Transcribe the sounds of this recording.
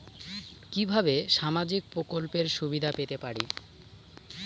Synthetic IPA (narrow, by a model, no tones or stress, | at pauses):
kibʱabeʃamad͡ʑik̚pɾokolpeɾʃubid̪ʱapet̪epaɽḭ